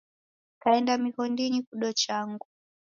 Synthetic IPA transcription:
kaɛndamihɔndinikuɗɔt͡ʃaŋɡu

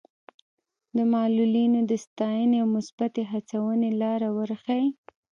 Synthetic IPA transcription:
d̪əmɑlulinod̪əst̪ɑjəneawmʊsbat̪eɦat͡sawənelɑɾawəɾxaj

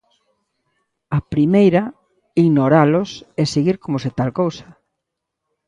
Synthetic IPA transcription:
ɐpɾimejɾɐ | iɣnoɾalʊsɛseɣiɾkomoset̪alkowsɐ̥

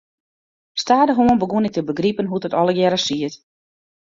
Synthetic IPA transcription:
staːdəɦoənbəɡunɪk̚təbəɡripənɦutətɔləɡjɛɾəsiət

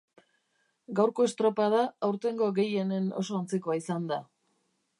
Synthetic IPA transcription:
ɡawɾko̞e̞st̪ɾo̞pað̞aawɾt̪e̞ŋɡo̞ɣe̞je̞ne̞no̞̰so̞ant͡sikoaisand̪a

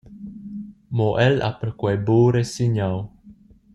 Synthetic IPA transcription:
moʔɛla̰pəɾkwajboːɾesiɲaw

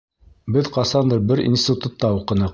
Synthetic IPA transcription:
bɘðqɑsɑnd̪ɤɾbɘɾḭnsʲt̪ʲɪt̪ut̪ːɑuqɤ̆nɤ

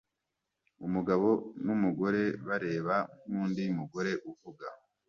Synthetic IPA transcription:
umuɡaβo̞numuɡo̞ɾe̞βaɾe̞ːβaŋuːndimuɡo̞ɾe̞ʔuvuɡa

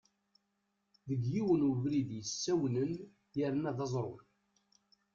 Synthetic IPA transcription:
ðəɡjiwənuvɾiðjəsːæwnən | jæɾnæðɑzˤɾˤʊn

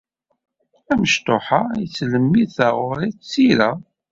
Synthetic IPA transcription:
æməʃt̪oħaisləmːiθæʁʊɾit͡sːiɾæ

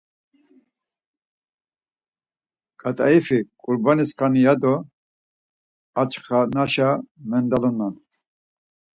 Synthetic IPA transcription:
kʼat̪ʼaifikʼuɾbaniskʰanijad̪ɔ | at͡ʃʼχanaʃamɛnd̪alɔnːan

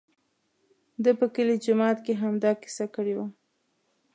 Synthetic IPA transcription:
d̪əpəkəlid͡ʒʊmɑt̪keɦamd̪ɑki̥sakəɽewa

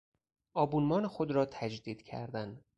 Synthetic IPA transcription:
ʔɒːbuːnmɒːnexod̪ɾɒːt̪ʰæd͡ʒd̪iːd̪̥cʰæ̰ɾd̪æn

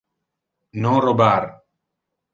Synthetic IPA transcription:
nõːɾobaːɾ

